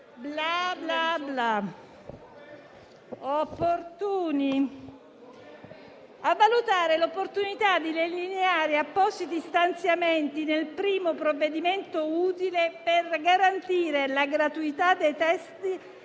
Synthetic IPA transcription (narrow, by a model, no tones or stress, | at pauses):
blablabla | opːort̪uːni | avːalut̪aːɾelopːort̪unit̪ad̪ːilelineaːɾiapːɔsit̪ist̪ant̪sjament̪inelpɾiːmopɾovːed̪iment̪ouːt̪ileperɡaɾant̪iːɾelaɡɾat̪uit̪ad̪ːejt̪ɛst̪i